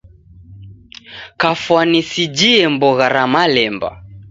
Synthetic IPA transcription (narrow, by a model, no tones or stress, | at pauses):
kafwanisid͡ʒiɛmbɔɣaɾamalɛmba̰